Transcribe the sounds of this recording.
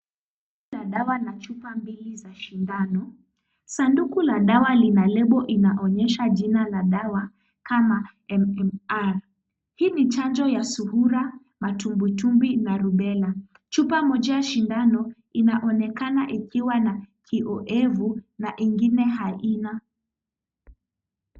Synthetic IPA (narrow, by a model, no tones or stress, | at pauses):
ilaɗawanat͡ʃupambilizaʃindanɔ | sandukulaɗawalinalɛɓɔʔinaʔɔɲɛʃaʄinalaɗawa | kama | ɛmɛmaɾ | hiːnit͡ʃand͡ʒɔjasuhuɾa | matumbutumbinaɾuɓɛla | t͡ʃupamɔd͡ʒajaʃindanɔ | inaʔɔnɛkanaʔikiwanakʰiʔɔʔɛvunaʔiŋɡinɛɦaina